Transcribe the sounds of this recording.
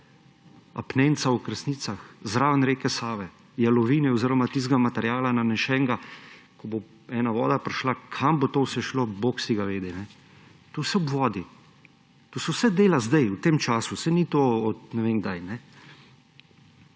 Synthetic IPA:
apneːnt̪sawkɾəsniːt̪saxzɾaːʋnɾeːkɛsaːʋɛ | jalɔʋiːnɛɔziːɾɔmat̪iːzɡamat̪ɛɾjaːlananɛʃɛːŋɡa | kɔbo | ɛːnaʋɔːd̪apɾɛʃlakʰambot̪owsɛʃloboksiɡaʋeːd̪ɛnɛ | t̪owsɛɔbʋɔːd̪i | t̪oːsɛwsɛd̪eːlazd̪ɛjwt̪eːmt͡ʃaːsusɛnit̪oːɔt̪nɛʋeŋɡd̪ajnɛ

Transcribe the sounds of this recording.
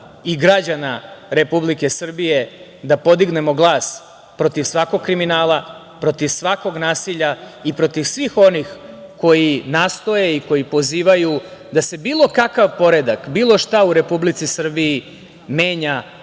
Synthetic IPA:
iɡɾad͡ʑanaɾe̞publike̞sr̩bije̞ | d̪apo̞d̪iɡne̞mo̞ɡlˠaːs | pɾo̞t̪iʋsʋako̞ɡ̚kɾiminaːlˠa | pɾo̞t̪iʋsʋako̞ɡnaːsiʎaipɾo̞t̪iʋsʋixo̞nixko̞jinaːst̪o̞je̞iko̞jipo̞ziːʋajud̪ase̞biːlˠo̞kakaʋpo̞ɾe̞d̪akbiːlˠo̞ʃt̪auɾe̞publit̪sisr̩bii | me̞ːɲa

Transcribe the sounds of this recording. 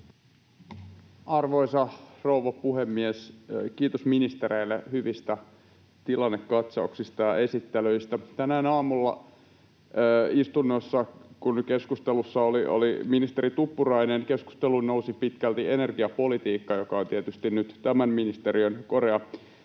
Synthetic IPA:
ɑrʋo̞isɑrouʋɑpuhemːieskiːt̪osminist̪eɾeilːḛhyʋist̪æ | t̪ilɑnːekːɑt̪sɑuksist̪ɑjɑe̞sit̪ːeløist̪æt̪ænæːnɑːmulːɑ̰ | ist̪unːosːɑkunke̞skust̪elusːɑolio̰liminist̪eɾit̪upːurɑinenkesku̥st̪elunousipit̪kælt̪ienerɡiɑpo̞lit̪iːkːɑjokɑont̪iet̪yst̪innyt̪t̪æmænminist̪eɾiønko̞reɑ

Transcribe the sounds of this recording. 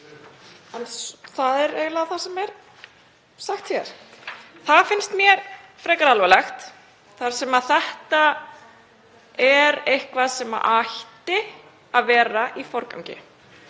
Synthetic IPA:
ɛnsθaðɛɾeːɣlaθḁsɛmɛɾ | saxt̪çjɛ̰ɾ̥θaðfɪnst̪mjɛɾfɾɛːjkaɾalvalɛxt̪ | θaɾ̥sɛmaðθɛht̪a | ɛɾejhkvaðsɛma̰ʔaht̪ɪ | aðvɛːɾaʔifɔɾka̰wŋcɪ̰

